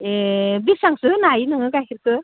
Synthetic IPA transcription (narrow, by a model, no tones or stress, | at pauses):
ebisaŋsɯnajnɯŋɯɡaɦiɾkɯ